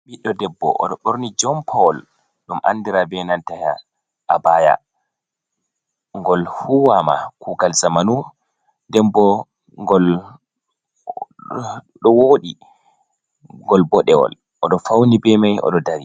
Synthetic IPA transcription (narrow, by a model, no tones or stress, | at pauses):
ɓiɗːɔdɛbːɔ̰ʔɔ̰ɗɔɗoɾnid͡ʒɔmpʰawɔl | ɗumʔa̰ndiɾabɛnantaha | ʔabaja̰ | ŋɡɔlhuwama̰kuɡalzamanu | dɛmbɔ | ŋɡɔl | ɗɔwoːɗi | ŋɡɔlbɔɗɛwɔ̰l | ʔɔɗɔfawnibɛmajʔɔ̰ɗɔdaɾi